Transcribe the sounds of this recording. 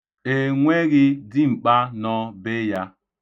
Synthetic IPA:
e˨ŋʷe˦ɣɪ˦dɪ˦ŋ͡m̩˨k͡pa˦nɔ˦be˦ja˦

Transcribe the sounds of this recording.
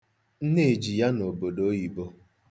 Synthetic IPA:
n̩˦ne˦˨d͡ʒi˨ja˦no˨bo˨do˦ji˨bo˦

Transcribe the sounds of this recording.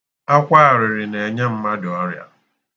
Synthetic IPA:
a˦kʷa˦a˨ɾɪ˨ɾɪ˨ne˨ɲe˦m̩˦ma˦dʊ˨ɔ˦ɾja̰˦

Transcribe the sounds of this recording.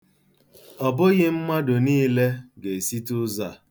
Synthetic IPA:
ɔ˨bʊ˦ɣɪ˦m̩˦ma˦dʊ˨niː˦le˦ɡe˨si˦tʊ˦za˦˨

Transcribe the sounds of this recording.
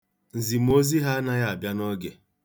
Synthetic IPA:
n̩˨zi˨m̩˦o˦zi˦ɦa˦na˦ja˦a˨bja˦nɔ˦ɡe˨

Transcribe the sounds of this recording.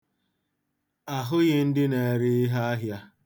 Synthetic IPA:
a˨ɦʊ˦ɣɪ˦n̩˦dɪ˦ne˨ɾɪ˦ɪ˦ɦa˦a˦ɦja˦

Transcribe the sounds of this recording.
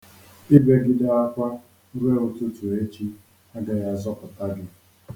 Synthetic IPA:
i˦be˦ɡɪ˦da˦a˦kʷa˦ | ɾe˦o˦tu˦tu˨e˦t͡ʃi˦ | a˦ɡa˨ja˦zɔ˦pʊ˨ta˦ɡɪ˨

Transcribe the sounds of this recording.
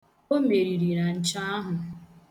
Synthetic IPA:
o˦me˨ɾi˨ɾi˨ɾa˨n̩˦t͡ʃa˦a˦ɦʊ˨

